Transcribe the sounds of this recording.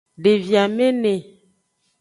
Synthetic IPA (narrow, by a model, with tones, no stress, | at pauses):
ɖe˨vi˨a˨me˦ne˨